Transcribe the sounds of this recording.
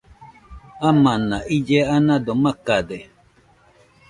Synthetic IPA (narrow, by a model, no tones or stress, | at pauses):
amanaʔid͡ʒeanãdomakade